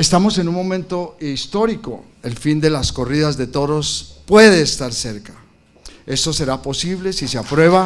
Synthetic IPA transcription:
est̪amo̞se̞nunmo̞mẽ̞nt̪o̞st̪o̞ɾiko̞̰ | e̞lfind̪e̞lasko̞riðazðe̞t̪o̞ɾo̞spwe̞ðe̞ːst̪aɾse̞ɾkḁ | e̞so̞se̞ɾapo̞siβle̞siseapɾwe̞β̞a

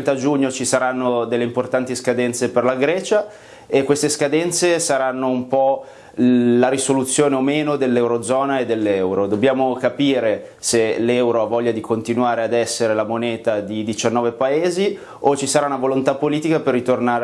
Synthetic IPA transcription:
nt̪ad͡ʒuɲːot͡ʃisaɾanːod̪elːeimport̪ant̪iskad̪ɛnt̪seperlaɡɾɛːt͡ʃa | ekːwest̪eskad̪ɛnt̪sesaɾanːoumpɔ | laɾisolut̪sːjoːneomeːnod̪elːɛwɾod̪zɔːnaed̪ːelːɛwɾod̪objaːmokapiːɾe | selɛwɾoavɔʎːad̪ikont̪inwaːɾead̪ɛsːeɾelamoneːt̪ad̪id̪it͡ʃanːɔːvepaeːzi | ot͡ʃisaɾaunavolont̪apːoliːt̪ikaperːit̪ornaːɾ

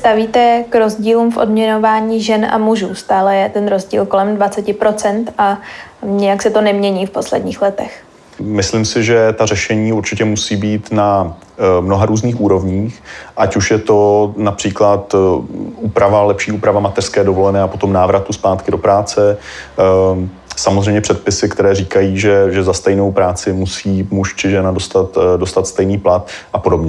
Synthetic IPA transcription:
st̪aviːt̪ɛkɾozɟiːluːmfʔo̞dmɲɛnovaːɲiːʒɛnʔa̰muʒuːst̪aːlɛjɛt̪ɛnɾo̞zɟḭːlko̞lɛmdvat͡sɛcɪpɾo̞t͡sɛnt̪ʔaɲɪjaksɛt̪o̞nɛmɲɛɲiːfpo̞slɛ̰dɲiːxlɛt̪ɛx | mɪslimsɪʒɛt̪arɛʃɛɲiːuɾt͡ʃɪcɛmusiːbiːt̪na | mnoɦaɾuːzniːxʔuːɾo̞vɲiːxʔacuʃjɛt̪o̞napr̥iːklat̪ʔuːpɾavalɛpʃiːʔuːpɾavamat̪ɛr̥skɛːdo̞vo̞lɛnɛːapo̞t̪o̞mnaːvɾat̪uspaːt̪kɪdo̞pɾaːt͡sɛ | samozrɛjmɲɛpr̥ɛt̪̚pɪsɪkt̪ɛɾɛːriːkajiːʒɛʒɛzast̪ɛjno̞wpɾaːt͡sɪmusiːmuʃt͡ʃɪʒɛnado̞st̪at̪do̞st̪at̪st̪ɛjniːplat̪ʔapo̞dobɲɛ

